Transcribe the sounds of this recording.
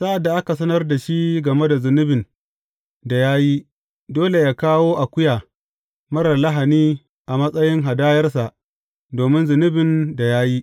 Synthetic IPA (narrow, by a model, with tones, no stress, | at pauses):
sa˦ʔa˨dːa˨ʔa˦ka˨sɐ˦nɐ˦rda˨ʃi˦ɡɐ˨me˦da˨zɪ˨nɪ˦bɪ˨n | da˨jaː˦ji˦ | doː˦le˨jaː˦kaː˦woː˦ʔa˨kʷʊ˦jaː˨ | mɐ˦ɽɐ˨la˦ɦa˨niː˦ | ʔa˨mɐ˦sʼɐ˦jɪ˦ŋɦa˨daː˦jɐ˦rs̬a˨ʔ | doː˨mɪ˦nzʊ˨nɪ˦bɪ˨nda˨jaː˦ji˦